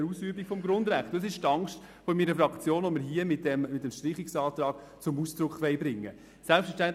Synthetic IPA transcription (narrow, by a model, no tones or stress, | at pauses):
ɾuːsyːbikfɔmɡɾʊnd̪ɾæχtʊs̬ɪʃtɑŋʃt | fɔmiɾəfɾɑkt͡sjoːnɔməɾɦiəmɪt̚dɛmːɪt̚ːɛmʃtɾɪχiksɑːt̪ɾɑːɡ̥̚ | t͡sʊmuːsd̥̪ɾʊkχʋɛɪbɾɪŋːə | sɛlpsfəʃtænt